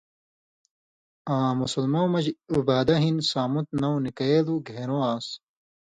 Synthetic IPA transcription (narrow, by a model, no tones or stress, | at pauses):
ãːmusɐlmɐwmɐd͡ʑubaːd̪ɐɦinsaːmut̪̚nɐwnikɐjeːluɡʱeːɾoːaːs